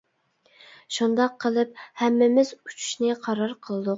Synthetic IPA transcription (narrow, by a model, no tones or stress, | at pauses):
ʃund̪ɑqʰːəlˠɨp̚hæmːɪmɪzu̥t͡ʃʰy̥ʃnɪqʰɑɾɑɾqʰəlˠɨd̪u